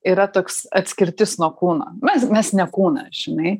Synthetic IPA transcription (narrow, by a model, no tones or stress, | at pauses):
iːɾɐt̪oːksɐt̪ʲsʲkʲɪɾʲt̪ʲɪsnuɔkuːno̰ːmʲɛsmʲɛsnʲɛkuːnɐ̰ʒ̥ʲɪnɐɪ